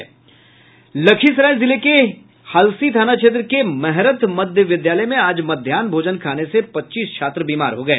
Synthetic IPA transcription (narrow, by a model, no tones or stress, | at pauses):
lɐkʰisɾaːɪlzɪleke | haːlsit̪ʰaːnat͡ʃʰeːt̪̬ɾəkemɛɦɾət̪mɐd̪ʱjəʋɪd̪jaːləmẽaːd͡ʒmɐd̪ʱjaːnbʱoːd͡ʒənkʰaːnesepɐtːʃiːskʰaːt̪ɾəbiːmaːɾɦoɡɐḛː